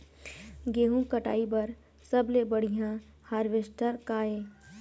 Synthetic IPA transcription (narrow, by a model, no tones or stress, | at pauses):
ɡeːɦũkəʈa̰ːibɐɾ | sɐblebɐɽ̤ijã | haːɾʋeːsʈʰəɾkaːeː